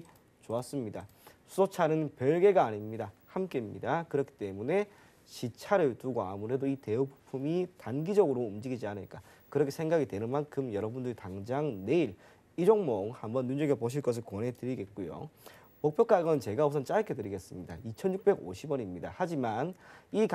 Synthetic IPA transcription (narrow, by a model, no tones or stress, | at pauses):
t͡ɕoas͈ɯmɲida | sʰusʰot͡ɕʰanɯnpjʌɭɡe̞ɡaːɲimɲidahamk͈e̞imɲidakɯɾʌkʰi̥t͈e̞mune̞ | ɕit͡ɕʰaɾɯɭtuɡoa̰muɾedoite̞upu̥pʰumitanɡid͡ʑʌɡɯɾoumd͡ʑiɡid͡ʑianɯɭk͈a | kɯɾʌkʰesʰe̞ŋɡaɡitwe̞nɯnmankʰɯmjʌɾʌbundɯɾitaŋd͡ʑaŋne̞iɾ | id͡ʑoŋmoŋhambʌnːund͡ʑeɡepoɕ̬ʰiɭk͈ʌs̬ʰɯɭkonɦe̞tɯɾiɡe̞t̚k͈ojo̰ | mok̚p͈ʰjʌk͈aɡʌnɯnt͡ɕe̞ɡaos̬ʰʌnt͡ɕ͈ajkʰe̞tɯɾiɡe̞s͈ɯmɲida̰it͡ɕʰʌnjuk̚p͈e̞ɡo̰ɕʰibʌɲimɲidahad͡ʑimanik